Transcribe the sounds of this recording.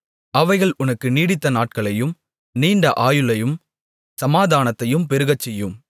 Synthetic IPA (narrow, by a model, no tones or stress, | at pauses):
ʔɐʋɐɪɣɐɭʔʊnɐkːɯniːɽɪt̪ːɐnaːʈ̚kɐɭɐjɯm | niːɳɖɐʔaːjɯlɐjɯm | sɐmaːðaːnɐt̪ːɐjɯmpɛɾɯɣɐt͡ʃːɛjːɯm